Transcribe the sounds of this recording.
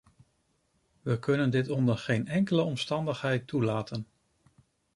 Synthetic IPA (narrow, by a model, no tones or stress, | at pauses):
ʋəkɵnəndɪtɔndəχejnɛŋkələɔmstɑndəχɦɛjtulaːtʰən